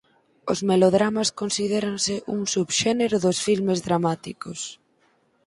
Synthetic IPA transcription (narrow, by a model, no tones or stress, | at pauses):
ozmeloðɾamaskonsiðeɾaŋsɪʔuŋsuβʃɛneɾoðosfilmezðɾamat̪ikos